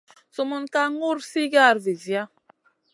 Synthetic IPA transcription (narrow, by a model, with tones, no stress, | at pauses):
su˨mu˦nka˦ŋu˦ɾsi˦ɡa˦˨ɾvi˨zi˨ja˦